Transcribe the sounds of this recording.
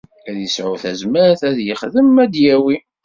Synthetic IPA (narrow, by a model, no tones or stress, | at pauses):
æðjəsʕʊθæzməɾθæðjəχðəmæd̪jæwi